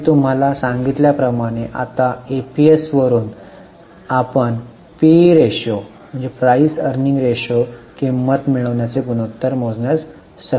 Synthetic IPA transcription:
t̪um̤alasãŋɡit̪ljapɾəmaɽ̃eʔa̰t̪aepiesʋəɾuːn | apəɳ | piɾeɕo | m̤əɳd͡zepɾaisəɾniŋɡɾeɕokimət̪miɭəʋɳjat͡seɡunut̪ːəɾmod͡znjat͡s | sə

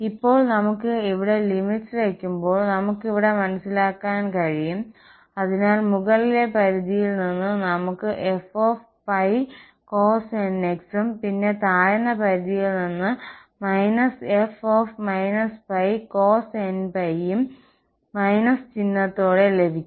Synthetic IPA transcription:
ipːo̞ːɭnɐmukːɨiʋiɽe̞limiʈslekʲːumbo̞ːɭnɐmukːiʋiɽe̞mɐnɐsilaːkːaːnkɐɻijum | ɐðinaːlmuɣɐɭile̞pɐɾiðijilninːɨnɐmukːɨʔefoːf | pɐj | ko̞ːseneksumpinːe̞t̪aːjɐnːɐpɐɾiðijilninːɨ | mɐjnɐsefo̞ːfmɐjnɐspɐjko̞ːsenpɐjumː | ɐjnɐst͡ɕinːɐt̪ːoːɽe̞le̞bʱikʲːum

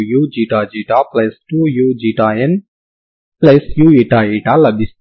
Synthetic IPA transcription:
juːd͡ʒiːʈaːd͡ʒiːʈaplɐsʈujuːd͡ʒiːʈaːen | plɐsjueːʈaːeːʈalɐbis

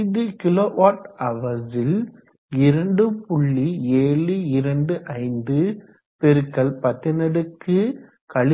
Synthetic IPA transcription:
ðɯkɪloːʋaːʈɐʋɐðɪl | ɪɾɐɳɖɯpʊɭːieːɭɯɪɾɐɳɖɯʔɐɪnd̪ɯ | pɛɾɯkːɐɭpɐt̪ːɪnɐɽɯkːɯ | kɐɭ

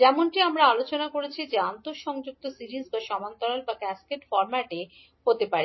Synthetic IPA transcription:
d͡ʑɛmoɳʈiamɾaalot͡ɕonakoɾet͡ɕʰid͡ʑeant̪oɾʃɔŋd͡ʑuk̚t̪osiɾizbaʃɔmant̪ɔɾalbakɛskeʈfɔɾmaʈe | ɦot̪epaɾi

